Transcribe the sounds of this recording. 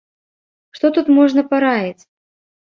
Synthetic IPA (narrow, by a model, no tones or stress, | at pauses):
ʂt̪ɔt̪ut̪mɔʐnɐpaɾajit͡sʲ